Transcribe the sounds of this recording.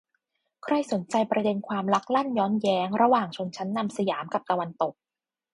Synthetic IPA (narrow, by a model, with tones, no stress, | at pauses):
kʰɾa˥˩jso˩˦nt͡ɕa˧jpɾa˧de˧nkʰwaː˧mla˦˥k̚la˥˩njɔː˦˥njɛː˦˥ŋɾa˧waː˨˩ŋt͡ɕʰu˧əŋt͡ɕʰa˦˥nːa˧msa˧jaː˩˦mka˨˩p̚t̪a˧wa˧nt̪o˨˩k̚